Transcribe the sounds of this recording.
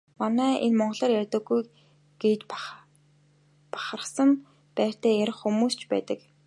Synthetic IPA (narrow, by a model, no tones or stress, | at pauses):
manæːʔenmɔɴɢɞ̆ɮaːrjærʲt̪ə̆ɡuj | ɡ̥et̪ | pḁχərə̆χsə̆m | pæːr̥t̪æːjæɾʲɪ̆χxːumuːst͡ɕpæ̰ːt̪ə̆k